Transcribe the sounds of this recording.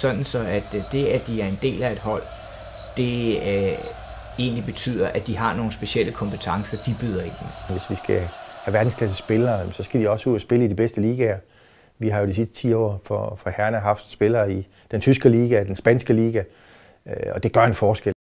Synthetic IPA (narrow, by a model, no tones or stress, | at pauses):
sɒ̽d̥n̩sɒ̽æd̥d̥e̝æd̥iæɐe̝nd̥e̝̰ːlæe̝d̥ɦɒ̽l̰ | d̥e̝ | e̝̰ːnlib̥e̝t͡sʰy̰ːð̞̰ˠɐʔæd̥iɦɑ̈no̝ːn̩sb̥e̝sɕel̰əkʰɒ̽mpət͡sʰɑ̈ŋsɐd̥ib̥yð̰ˠɐid̥emʋe̝sʋisɡ̥æhæʋæɐd̥n̩skʰl̥æs̬əsb̥e̝lɐːnsɒ̽sɡ̥æd̥iɒ̽səuð̰ˠæsb̥e̝ləidib̥esd̥əliːɡ̥æɐ | ʋiɦɑ̈jo̝d̥isisd̥ə̥t͡sʰḭːɒ̰ːfɒfɑhæɐnæɦɑ̈fd̥sb̥e̝lɐːi | d̥ent͡sʰysɡ̥əliːɡ̥æd̥ensb̥ænsɡ̥əliːɡ̥æ | ɒ̽d̥e̝ɡ̥ɶɐenfɒːsɡ̥e